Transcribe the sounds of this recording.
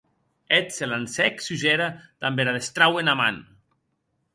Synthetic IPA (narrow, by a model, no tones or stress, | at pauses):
et̪selansɛksuʒeɾad̪̥ambeɾaðest̪ɾawenama̰n